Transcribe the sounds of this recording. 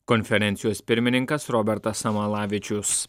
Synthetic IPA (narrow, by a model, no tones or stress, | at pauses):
kɔnʲfʲɛɾʲɛnʲt̪sʲɪjoːspʲɪɾʲmʲɪnʲɪŋkɐsɾɔbʲɛɾt̪ɐsɐmɐlˠɑːʋʲɪt͡ʃʲʊs